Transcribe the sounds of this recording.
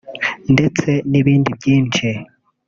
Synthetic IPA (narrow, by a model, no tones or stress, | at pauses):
nde̞t͡se̞niβiːndibɟiːnt͡ʃi